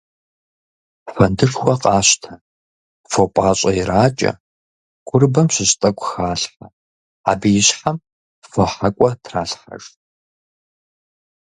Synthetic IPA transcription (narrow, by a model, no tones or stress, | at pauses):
fɐndɨɬxʷɐqʼɑːɕtʰɐ | fopʼaːɕʼɐjɪɾaːt͡ʃʼɐ̰ | ɡ̥ʷʼʊrbɐmɕɪɕtʼɐkʷʼʊxaːɬħa | a̰ːbijɪɕħam | fɐħakʷʼɔtʰraːɬħa̰ʐ